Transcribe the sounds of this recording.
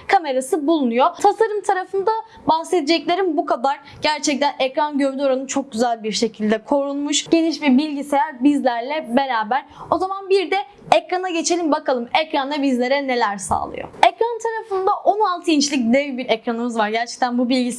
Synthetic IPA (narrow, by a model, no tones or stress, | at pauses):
kʰame̞ɾasɯbulˠunujot̪ʰasaɾɯmt̪ʰaɾafɯnd̪a | bahse̞d̪ed͡ʒɛclʲe̞ɾimbukʰad̪aɾ | ɟ̥æɾt͡ʃʰɛc̚t̪ʰænɛkɾanɟøvd̪yo̞ɾanɯt͡ʃʰok̚ɟyzælʲbiɾʃe̞cʰilʲd̪ɛkʰo̞ɾunmuʃɟ̥e̞niʃbiɾbilʲɟisejæɾbizlʲæɾlʲɛbe̞ɾaːbæɾo̞zamanbiɾd̪ɛ | ɛcɾanaɟe̞t͡ʃʰe̞lʲimbakʰalˠɯmɛcɾand̪abizlʲe̞ɾɛne̞lʲæɾsa̰ːlˠɯ̰jo̰ɛcɾant̪ʰaɾafɯnd̪aʔo̞nalˠt̪ʰɯint͡ʃlʲic̚d̪ɛvbiɾɛcɾanɯmɯzvaɾɟæɾt͡ʃʰɛ̥c̚t̪ʰænbubilʲɟis